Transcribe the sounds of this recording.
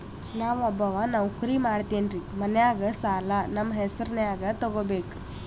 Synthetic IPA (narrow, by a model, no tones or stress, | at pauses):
naːʋɐbɐʋɐnaːʋukuɾimaːɽt̪eːnɾimɐnejaːɡɐsaːlːɐnɐmːɐɦɛsɐɾnejaːɡɐt̪ɔɡoːbeːku̥